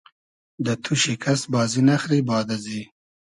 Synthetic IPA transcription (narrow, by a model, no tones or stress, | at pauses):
d̪ət̪ʰuʃikʰasbɑːzinaxɾibɑːd̪azi